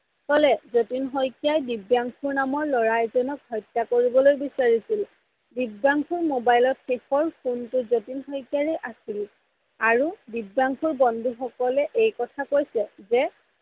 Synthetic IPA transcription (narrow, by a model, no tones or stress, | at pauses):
kɔlɛzotinɦɔjkjajdibjaŋkʰuɹnamɔɹlɔɹajzɔnɔkɦɔjtːakoɹibɔlojbisaɹisil | dibaŋkʰuɹmobajlɔtxexɔɹpʰuntʊzotinxɔjkjaɹɛʔasil | aɹudibjaŋkʰuɹbɔndʱuxɔkɔlɛʔejkɔtʰakojsɛzɛ